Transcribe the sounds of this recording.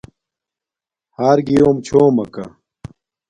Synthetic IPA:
haːɾɡijoːmt͡ɕʰoːmɐkɐ̰

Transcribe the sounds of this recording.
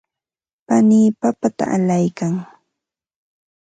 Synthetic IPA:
paniːpapat̪a̰ʔalajkaŋ

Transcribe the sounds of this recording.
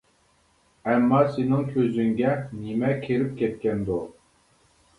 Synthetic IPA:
æmːɑːsinɪŋkʲʰøzyŋɡʲɛnimɛkʲʰeɾip̚kʲʰet̪̚kʲɛnd̪u

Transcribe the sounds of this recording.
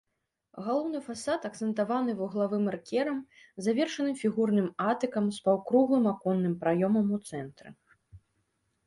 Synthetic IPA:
ɣalˠɔwnɨfasat̪ɐk̚t̪sɛnt̪avanɨvuɣlˠavɨmɐrkʲɛɾɐm | zavʲɛrʂɐnɨmfʲiɣurnɨmat̪ɨkɐmspawkɾuɣlˠɨmakɔnːɨmpɾajɔmɐmut̪sɛnt̪ɾɨ̰

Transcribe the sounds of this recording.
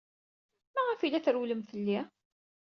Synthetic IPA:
mæʁæfilæθɾwləmθəlːi

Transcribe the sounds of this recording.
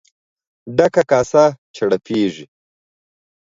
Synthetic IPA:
ɖɐkakaːsat͡ʃʰɐɽɐpʰeːʐi

